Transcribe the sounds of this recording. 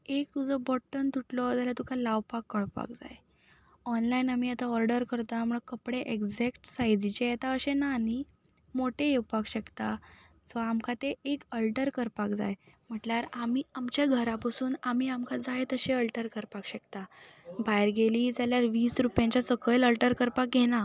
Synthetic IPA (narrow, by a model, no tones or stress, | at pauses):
ek̚t̪ud͡zɔbɔʈːənt̪uʈlɔd͡zaljat̪ukʰalawpakːəɭpa̰kd͡za̰j | ɔnlainam̤iːat̪aɔɾɖəɾkəɾt̪am̤uɭakəpɽeʔeɡd͡zɛkʈsajd͡zit͡ɕejet̪aəɕenani | moʈeewpakɕəkt̪a | t͡sɔamkʰat̪eʔekəlʈəɾkəɾpakd͡za̰jm̤əʈlaɾamiːamt͡ɕjaɡʱəɾapasuːnam̤iːamkʰad͡zajt̪əɕeəlʈəɾkəɾpakɕəkt̪abajɾɡeliːd͡zaljaɾʋiːsɾupjãɲt͡ɕasəkələlʈəɾkəɾpakjena